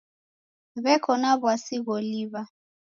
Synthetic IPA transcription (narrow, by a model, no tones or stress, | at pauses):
βɛkʰɔnaβwasiβɔliβa